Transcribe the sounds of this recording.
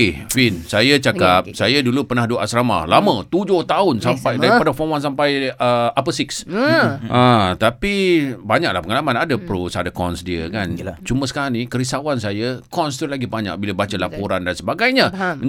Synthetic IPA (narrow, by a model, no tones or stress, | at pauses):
finsajat͡ʃakap̚sajədulupərnahduəʔasɾama̰lamə̃t̪ud͡ʒʊht̪aʊnsampajddaɾiadafɔwans̬ampajəapəsɪksʔãt̪apibaɲak̚lahpəŋalamanadəpɾusadakɔ̰nsdiəkant͡ʃuməsə̥kaɾaŋnikəɾisawansajəkɔnst̪ulaɡibaɲa̰k̚biləbat͡ʃəlapuɾandansəbaɡajɲəə